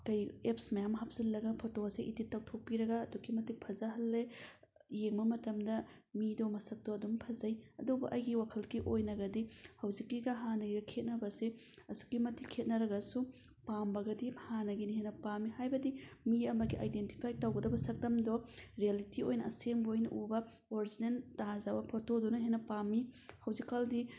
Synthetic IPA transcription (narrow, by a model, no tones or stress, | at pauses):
kɐjepsmɐjamɦap̚z̥ilːɐɡɐpʰotoɐseʔititːaw̚tʰok̚pːiɾɐɡɐːdukːimɐtik̚pʰɐzaɦɐlːe | jeŋbɐmɐtɐmdɐmidɔmɐsɐk̚dɔɐdumpʰɐzɐjɐ̰dubɐʔɐjɡiwakʰɐlkiʔojnɐɡɐdihɐwzikːiɡɐɦanɐɡiɡɐkʰet̚nɐbɐse | ɐsu̥kːimɐtikʰet̚nɐɾɐɡɐsupambɐɡɐdihanɐɡiniɦenɐpamːihajbɐdimiɐmɐɡiʔa̰jdenti̥pʰajtawɡɐdɐbɐsɐk̚dɐmdɔɾialitiojnɐːsembojnɐʔubɐ | oɾizinentazabɐpʰotodunɐɦenɐpamːihɐwzikːɐldi